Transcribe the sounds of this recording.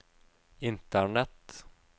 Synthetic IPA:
ɪnt̪æɳɛt̪

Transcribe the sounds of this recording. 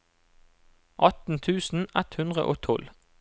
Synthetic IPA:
ʔɑt̪n̩t̪ʰʉːsn̩ɛt̪hʉnd̪ʁə̰ʔo̰ːt̪ʰɔl

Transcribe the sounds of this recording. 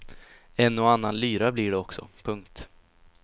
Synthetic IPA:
ɛnːɔanːanlyːɾablɪɖɛɔksɔ̰pʰɵŋk̚t̪

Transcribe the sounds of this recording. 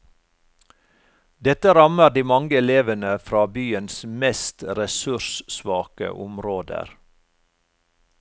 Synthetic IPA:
d̪ɛt̪əɾɑməɾd̪iːmɑŋɡəɛleːʋənəfɾɑːbyːənsmɛst̪ɾɛsʉɾʃsʋɑːkə̰ʔʊmɾoːd̪ə̰ɾ

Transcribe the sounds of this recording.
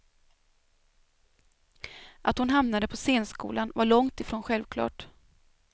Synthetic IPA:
ʔat̪hʊnɦamnad̪əpʰɔseːnskṵːlʔanvaɭɔŋt̪ɪfɾoːnɧɛlvkʰlɑ̰ːʈ

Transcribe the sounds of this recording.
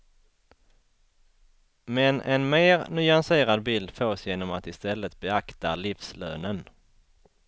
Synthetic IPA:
mɛnʔɛ̰nmeːɾnʏanseːɾad̪bɪld̪føːsjeːnɔmat̪ɪst̪ɛlːət̪̚bɛakt̪alifsløːnən

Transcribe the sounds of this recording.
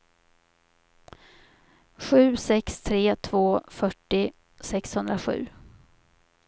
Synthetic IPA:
ɧʉ̟ːsɛkst̪ʰɾeːt̪ʰvoːfœʈːɪ | sɛkshɵnd̪ɾaɧʉ̟̰ː

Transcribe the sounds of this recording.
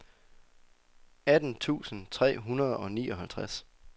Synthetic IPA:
æd̥n̩t͡sʰṵːsən̩t͡sʰʁɛ̰ːɦunɐð̞ˠɒ̽nḭːɒ̽ɦælt͡sʰʁas

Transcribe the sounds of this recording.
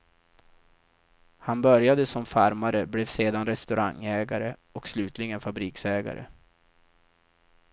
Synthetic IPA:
hanbœɾjad̪əsɔmfaɾmaɾəblɛvseːd̪anɾɛst̪ɵɾʔa̰ŋːɛːɡaɾəɔkslʉ̟ːt̪ʰlɪɡənfabɾiːksɛːɡa̰ɾə̰

